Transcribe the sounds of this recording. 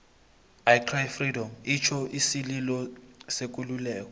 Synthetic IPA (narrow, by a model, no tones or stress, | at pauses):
ajkʰrajfridɔmit͡ʃʰɔʔisililɔsek̬ʼululɛːk̬ʼɔ